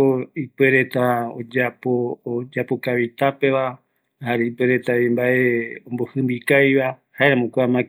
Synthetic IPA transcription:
oipeɾe̞t̪ao̰d͡ʒapod͡ʒapokaβit̪ape̞ʋa | haɾeipeɾe̞t̪aβimbaʔeõmbohɨ̃mbikajβahaeɾãmõkʷaamã

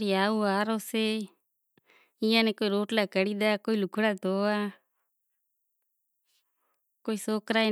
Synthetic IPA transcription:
ɾiaːuaːɾoːseː | ijãːnɛːkoːiɾoːʈlaːkəɽid̪aːkoːilʊkʰɽaːt̪oːaː | koːisoːkɾaːi

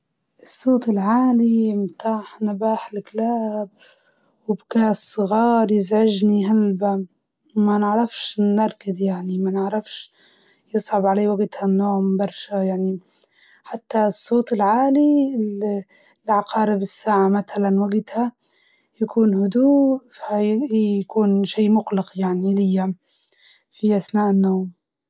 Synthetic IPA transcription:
ʔɨsˤːoːt̪ɪlʕaːlimt̪aːħnabaːħɪlklaːb̚ | wɪbkaːsːˤɨɣɑːɾˤjɪzʕɪʒniɦalba | manɪʕɾˤɑfʃnːɑɾˤkɪd̪jaʕnimanɪʕɾˤɑfʃ | jɨsˤʕʊbʕaleːwaɡt̪hanːoːmbɑɾˤʃajaʕni | ħat̪ːasˤːoːt̪ˤɪlʕaːli | lʕɑqɑːɾɪbɪsːaːʕamat̪alanwaɡt̪ha | jakuːnhʊd̪uːfahjakuːnʃiːmʊqlɪqjaʕnilɪjːa | fiʔaθnaːʔɪnːoːm

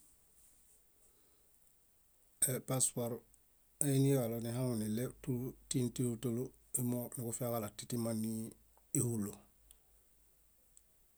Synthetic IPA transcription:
epaspaɾ | ainiɾaloniɦaŋuniletutintiutolu | imonikufakalatitimanːi | ihulːu

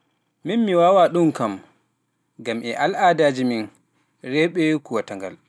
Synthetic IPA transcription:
minmiwawaɗunkam | ɡamʔɛʔalʔaːdaːd͡ʒimin | ɾɛɓɛkuwataŋɡa̰l

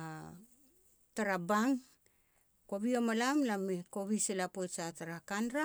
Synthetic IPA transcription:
a | taɾabaŋ | koβiomalamlameko̞βiselapojsataɾakanɾa

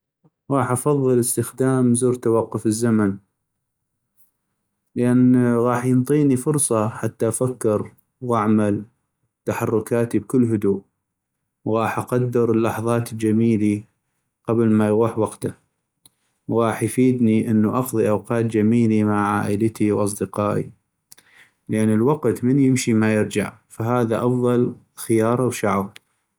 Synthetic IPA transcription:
ɣɑːħʔɑfɑðˤːɨləst̪əxd̪aːmzuːɾt̪awɑqːʊfəzːaman | ləʔanːɣɑːħjənt̪ˤiːnifʊɾsˤɑħat̪ːafakːɪɾ | wʔaʕmal | t̪aħɑrˤːʊkaːt̪ib̚kʊlːɦʊd̪uːʔ | wɣɑːħʔɑqad̪ːɪɾəlːɑħðˤɑːt̪ld͡ʒamiːli | qablmajɣuːħwɑqt̪a | wɣɑːħjfiːd̪niʔənːuʔɑxðˤiʔawqɑːt̪̚d͡ʒamiːlimaʕʕa̰ːʔələt̪iwʔɑs̬ˤd̪əqɑːʔḭ | ləʔanːəlwɑqt̪mənjɪmʃimajɪɾd͡ʒa̰ʕfaɦaːðaʔɑfðˤɑl | xɪjɑːɾˤawʃaʕw

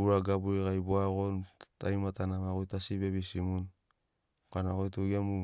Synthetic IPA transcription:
uɾaɡabuikajboaɣonta̰jmatanamaɣojtasibeβisimun | kanaɣojtuɡiamu

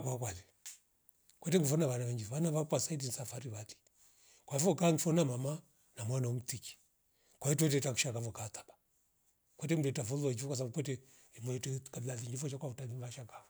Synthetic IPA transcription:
kwakwali | kwɛtɛŋɡifɔnaβanaβɛɲd͡ʒifanaβakwasaidinisafaɾiβali̥ | kwaifɔkaŋifɔnamama | namwanaɔm̩tiki̥ | kwaituɛt̬ɛtaku̥ʃakavɔkatḁba | kwɛt̬ɛm̩dɛtafulat͡ʃifɔkwas̬abukwɛtɛ | mɛtɛkablaðiŋd͡ʒifɔt͡ʃakwautaniβaʃaka

